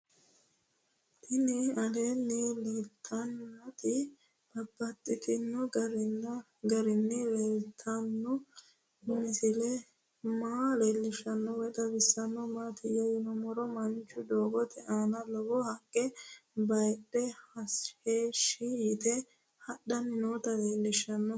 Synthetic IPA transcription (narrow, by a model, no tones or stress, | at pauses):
t̪ɪnɪɐlenːɪlet̪ʰːɐnɐt̪ʼɪ | b̥ɐbːɐt̪ʼːɪt̪ʰɪnːɔɡɐɾ | ɡɐɾɪnːɪlɛlt̪ʰːɐnːɔ | mɪsɪlɛ | maːleːlːɪʃɐnːɔwɛt̪ɐbɪsːɐnːɔmaːt̪ɪjɐjɪnɔmɔɾɔmɐnt͡ʃːʊd̪oːɡɔt̪ɛʔaːnɐlɔɡɔhɐkʼːɛbɐjɗːɛhɐsheːʃːɪjɪt̪ɛ | hɐɗɐnɪnoːt̪ɐleːlːɪʃːɐnːɔ